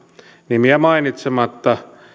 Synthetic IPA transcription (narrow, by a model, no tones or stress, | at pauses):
nimiæmɑinit̪semɑt̪ːɑ